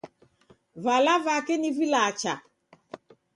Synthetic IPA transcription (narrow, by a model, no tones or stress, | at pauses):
valavakɛnivilat͡ʃa